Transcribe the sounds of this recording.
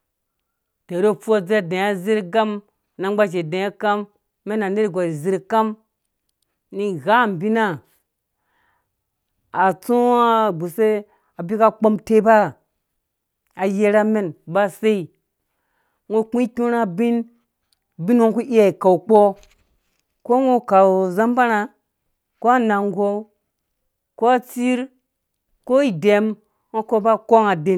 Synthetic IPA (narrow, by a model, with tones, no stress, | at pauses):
te˨ɾo˦fu˦a˦d͡ze˦˨de˨ja˦zi˦ɾɡa˦m | na˨ŋɡ͡ba˦d͡ʒ̬e˨dẽ˨ja˦ka˦mː | e˦na˨ne˦ɾi˨ɡa˨ɾi˨zi˦ɾka˦m | ni˦ɣa˦˨m˨bi˦na˦ | a˨t͡su˦a˦ɡ͡bu˨se˦ | a˨bi˦ka˦k͡po˦mte˦ba˦˨ | a˨je˦ɾa˦me˨nba˦se˦i˨ | ŋo˦kʷĩ˦kʲu˦ɾa˦bi˦n | bi˦no˦ŋku˦ʔi˦ja˨i˨ka˨wk͡po˦ | ko˦ŋo˦ka˨wza˦mba˦ɾa˨ | ko˦a˦na˨ŋɡo˦ | ko˦a˦t͡si˦ɾ | ko˦i˨de˨m | ŋo˦ko˦ba˦ko˦ŋa˨de˨